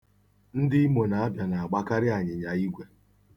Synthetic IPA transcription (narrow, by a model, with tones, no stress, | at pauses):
n̩˦dɪ˦i˦mo˨na˨a˦bja˨na˨a˨ɡ͡ba˦ka˦ɾɪ˦a˨ɲɪ˨ɲa˨i˦ɡʷe˨